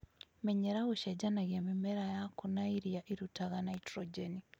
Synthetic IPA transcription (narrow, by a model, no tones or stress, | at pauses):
meɲeɾaɣuʃad͡ʒanaɣiamimeɾajakunaiɾiaʔiɾutaɣanaitɾod͡ʒeni